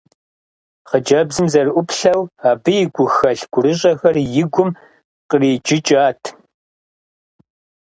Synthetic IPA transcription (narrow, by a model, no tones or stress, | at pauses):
χəd͡ʒɐbzɨmzɐrɨʔʷʊpɬɐwaːbɨjɪɡʷʊxɐɬɡ̥ʷʊɾɨɕʼɐxɐrjɪɡʷʊm | qəriːd͡ʒɪt͡ʃʼaːtʰ